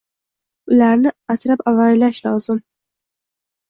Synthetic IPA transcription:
ʊlaɾnɪasɾapavaɾlaʃlɒːz̥ɪm

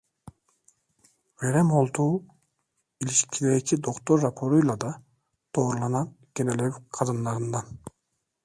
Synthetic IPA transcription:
veɾemo̞lˠt̪uː | iliʃkʲʰileɾet͡ʃʰid̪o̞kt̪oɾːapʰoɾujlˠɑd̪ɑ | d̪̥oːɾlˠɑnɑn | ɡ̥enelevqʰɑd̪ɯnːɑɾɯnd̪ɑn

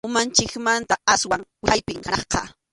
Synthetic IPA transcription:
ʊmant͡ʃɪkmant̪aaswaŋwɪajpɪŋhanɑχqɑ̰

